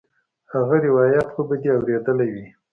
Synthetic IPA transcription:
haɣaɾɪwɑjat̪xobad̪eawɾed̪əlawi

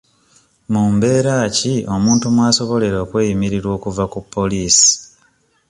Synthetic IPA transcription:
muːmbe̞ːɾaːcio̞muːntumwaːso̞βo̞le̞ɾo̞ːkwe̞ːjimiɾiɾwo̞ːkuvakupʰːo̞liːsi̥

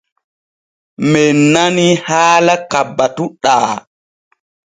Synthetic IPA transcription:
mɛnːanihaːlakabːatuɗaː

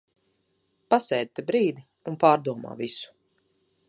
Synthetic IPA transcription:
pasɛːd̪̚t̪ɛbɾiːd̪i | unpaːɾd̪uɔma̰ːvisu̥

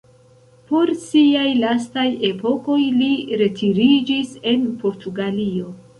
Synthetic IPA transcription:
po̞ɾsiajlastaje̞po̞ko̞jliɾe̞tʰiɾid͡ʒise̞npo̞ɾtʰuɡalio̞

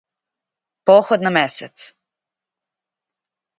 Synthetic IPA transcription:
poːxod̪nameset̪s

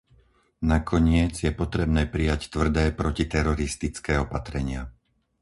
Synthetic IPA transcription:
nakʰɔɲɪɛd͡zjɛpɔt̪ɾɛbnɛːpɾijact̪ʋr̩d̪ɛːpɾɔcit̪ɛɾɔɾist̪it͡skɛːɔpat̪ɾɛɲɪa

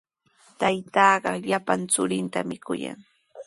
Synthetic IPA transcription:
t̪ajt̪ɑːɢɑʎapant͡sʊɾɪnt̪amɪkʊja̰ŋ

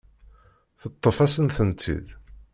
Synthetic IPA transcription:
θət̪ˤːəfæsənθənt̪ʰḭð

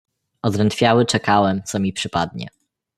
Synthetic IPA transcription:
ɔzɾɛnt̪fʲjawɘt͡ʂɛkawɛmt̪sɔmʲipʂɘpad̪̚ɲɛ̰

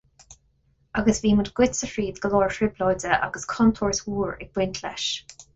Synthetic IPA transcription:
aɡəsviːmədɡ̥wɪtsəfɹiːd̪ɡəlɔːɹfɹɪblɔjdəʔa̰ɡəskʰɔnt̪ʰɔːɹswuːɹɪɡ̚bwɪntʰlɛ̰ʃ

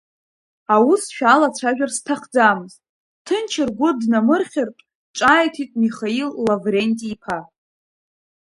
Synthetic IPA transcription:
awusʃᶣalat͡sʷʰaʒᶣarstʰaχd͡zamɨztʼ | tʰɨnt͡ʃʰɪrɡʷʊdnamɨrχʲɪrpʼ | ʈ͡ʂʼajtʰitʼmiχailːavrenʲtʼiːpʰa

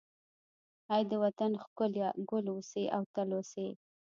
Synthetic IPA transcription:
ajd̪əwat̪anxkʊljɑɡʊlwuseʔawt̪alose

